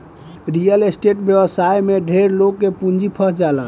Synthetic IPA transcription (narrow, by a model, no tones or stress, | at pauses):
ɾijəlesʈeʈbjəbəsajmeɖʱeɾlokːepund͡ʒipʰəsʰd͡ʒala